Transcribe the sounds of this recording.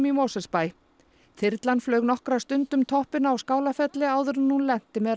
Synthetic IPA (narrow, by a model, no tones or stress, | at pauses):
mimɔːsɛspaːj | θɪɾt̪lanflœːɥɣnɔhkɾast̪ʏnt̪ʏmt̪ʰɔhpɪnaːwskaːwlafɛt̪lɪaːwðʏɾnːunlɛn̥t̪ɪmɛɾ